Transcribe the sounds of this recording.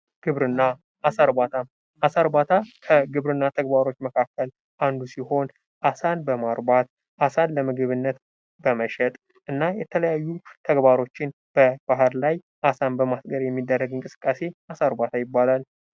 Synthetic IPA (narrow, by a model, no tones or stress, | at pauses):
ɡ̥ɨβɾɨnːa | ʔasaɾbat̪ʰam | asaɾbat̪ʰakʰəɡɨβɾɨnːat̪ʰəɡbaɾo̞t͡ʃːməkʰakːəl | ʔand̪usiho̞n | ʔasanbəmaɾbat̪̚ | ʔasanləmɨɡɨβɨnːət̪ | b̥əməʃɛt̪ʼ | ʔɨnːajɛt̪ʰələjajːut̪ʰəɡbaɾo̞t͡ʃːɪn | b̥əb̥aɦɾlaj | ʔasanbəmasɡəɾjɛmːid̪ːərːəɡɨŋkʼɨsɨ̥kʼːase̞ʔasaɾbat̪ʰajɪbːalal